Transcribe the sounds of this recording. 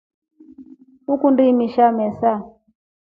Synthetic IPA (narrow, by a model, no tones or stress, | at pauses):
ukundimiʃamɛsa